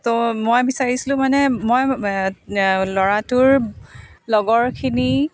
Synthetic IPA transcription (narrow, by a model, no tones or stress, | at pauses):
tomojbisaɹisilʊ̃manɛmɔj | lɔɹatʊɹ | lɔɡɔɹkʰini